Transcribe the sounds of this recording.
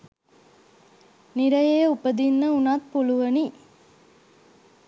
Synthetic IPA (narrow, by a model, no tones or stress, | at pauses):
niɾɐjejupəd̪inːəunaːt̪puluʋɐni